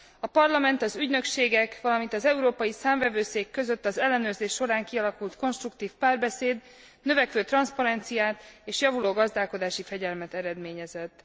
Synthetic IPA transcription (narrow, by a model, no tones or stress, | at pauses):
ɒpɒrlɒmɛnt̪ɒzyɟnø̞kʃeːɡɛkʋɒlɒmint̪ɒzɛuɾoːpɒjisaːɱvɛvøːseːkːø̞zøt̪ːɒzɛlːɛnøːrzeːʃːo̞ɾaːŋkiɒlɒkult̪ko̞nʃt̪rukt̪iːfpaːrbɛseːd̪ | nøvɛkʋøːt̪rɒnspɒɾɛnt̪sijaːt̪eːʃjɒvuloːɡɒzd̪aːlko̞d̪aːʃifɛɟɛlmɛt̪ɛɾɛd̪meːɲɛzɛt̪ː